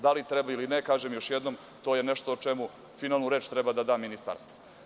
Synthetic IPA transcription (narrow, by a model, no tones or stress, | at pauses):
d̪alit̪ɾebailinekaːʒemjoʃjed̪nom | t̪o̞ːjeneʃt̪oːt͡ʃemu | finaːlˠnuɾe̞ːt͡ʃt̪ɾɛbad̪ad̪aːminist̪a̰ɾst̪vo